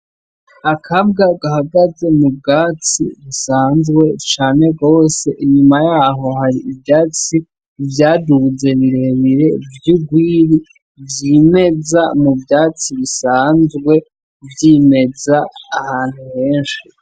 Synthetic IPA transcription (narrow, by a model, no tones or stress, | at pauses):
akʰabɡaɡahaɡaze̞mub̚ɡaːt͡siβisaːnzɡwe̞t͡ʃaːne̞ɡo̞ːse̞ʔiɲumajaːɦo̞haɾiʔibjaːt͡si | vjaːduze̞βiɾeβiɾe̞vjuɡwiːɾi | bjime̞zamubjaːt͡siβisaːnzɡwe̞ | vjime̞zaːhaːn̥huhe̞ːnʃi